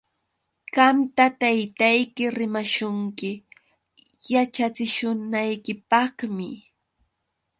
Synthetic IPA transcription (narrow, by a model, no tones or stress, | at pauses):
ɢɑmt̪at̪ajt̪ajkɪɾɪmaʃʊŋkɪ | jat͡ʃat͡sɪʃʊnajkɪpɑhmɪ